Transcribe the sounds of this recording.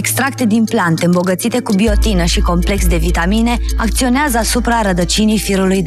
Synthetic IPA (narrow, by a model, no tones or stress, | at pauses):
ekst̪ɾak̚t̪e̞d̪implant̪e̞ɨmbo̞ɡət̪sit̪e̞kubio̞t̪inəʃiko̞mple̞ksd̪e̞vit̪amine̞akt̪sio̞neazəasupɾaɾəd̪ət͡ʃinijfiɾulujd̪